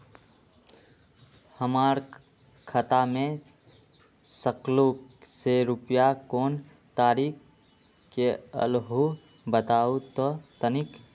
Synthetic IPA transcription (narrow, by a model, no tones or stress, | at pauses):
həmaːɾ | kʰət̪amẽ | səklukseɾʊpjakoːn | t̪aːɾiːk | keə̰lɦu | bət̪aːut̪ɔt̪ənɪk